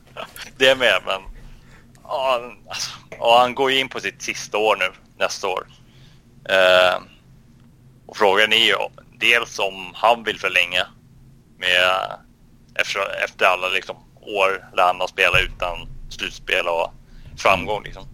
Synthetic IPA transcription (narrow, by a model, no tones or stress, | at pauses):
d̪ɛæɾmeːɾmɛn | ɑːasɔ̥ɔhanɡoːjəɪnːpʰɔsɪt̪sɪst̪aoːɾɳʉ̟ː | nɛst̪ao̰ːɾ | ʔɔfɾoːɡaɳɪj̰d̪eːlsɔmhanvɪlfœɭɛŋːa | mɛ | ʔɛ̰ft̪ʂɔɛ̰ft̪əɾalːalɪksɔm | oːɾɛləhanːaspeːlaʉ̟ːt̪anslʉ̟ːt̪spḛːlaɔfɾamɡɔŋːlɪ̰ksɔm